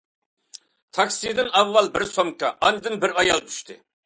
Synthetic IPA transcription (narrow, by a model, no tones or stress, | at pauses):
t̪ʰɑksijd̪ɪnɑvːɑlˠbɪɾsomkɑʔɑnɨd̪ɨnbɪɾɑjɑlˠt̪ʰy̥ʃt̪ʰɪ